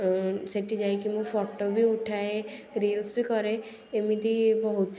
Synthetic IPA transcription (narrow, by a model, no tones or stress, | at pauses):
seʈid͡ʒaekimũpɔʈobʱiʊʈʰaeɾilsbʱikɔɾe | emĩd̪ibɔɦut̪